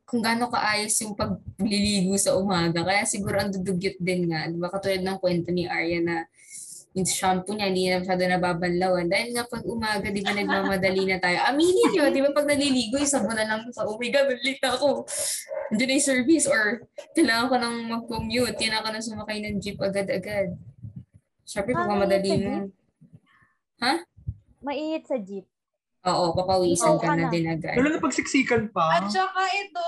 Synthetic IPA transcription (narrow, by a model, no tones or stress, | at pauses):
kʊŋɡaːno̞kɐ̰ʔaːjo̞sjʊŋpɐɡ̚lɪliːɡʊsɐʔʊmaːɡɐkɐjasɪɡuːɾo̞ʔɐnd̪ʊd̪ʊɡjʊt̪̚d̪ɪnŋad̪ɪbakɐt̪uːlɐd̪nɐŋkwɛnt̪o̞nɪʔaɹjɐnɐ | jɪŋʃampʊɲahɪnd̪iːnɐnɐmɐʃaːd̪o̞nɐbaːbɐnlɐwand̪aːhɪlŋapɐɡ̚ʔʊmaːɡɐd̪ɪbanɐɡ̚mamɐd̪ɐlinɐt̪aːjo̞ʔɐmiːnɪɲod̪ɪbapɐɡ̚nɐliliːɡojʊsɐbʊnɐlɐŋʊsɐʔʊwɪɡɐnʊnlɪk̪̚nɐɐko | ɪnd͡ʒonɐjsɛɹvɪsoɹk̪ɐjlaːŋɐŋko̞nɐŋmɐɡ̚komjut̪̚jʊnɐkonɐŋs̬ʊmɐkajnɐŋd͡ʒip̚ʔɐɡad̪ɐɡad̪̚ | ʃɛmpɾɛpɐɡ̚mɐmɐd̪ɐlinɐŋ | ha | mɐʔiːŋɪt̪̚sɐd͡ʒip̚ | ʔoːʔopɐpɐʔʊʔiːsɐnkɐnɐd̪ɪnʔɐɡa̰d̪ʊlɐŋɐpɐɡ̚sɪksiːkɐnpɐt͡ʃɐkaʔɛt̪o